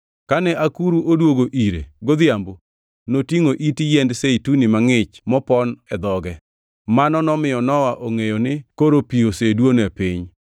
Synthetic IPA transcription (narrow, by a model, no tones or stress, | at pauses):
kanɛʔakuɾuʔodwoɡoʔiɾḛɡod̪ɪjambo | notiŋoʔitijendseitunimaŋɪt͡ʃmɔpɔnɛd̪ɔɡɛ | manɔnɔmɪjɔnɔwaʔoŋejonɪkoɾopiosedwonɛpɪɲ